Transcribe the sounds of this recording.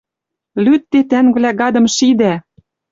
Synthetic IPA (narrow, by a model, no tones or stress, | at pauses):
lyt̪ːet̪æŋvlæɡɑd̪ɤ̆mʃid̪æ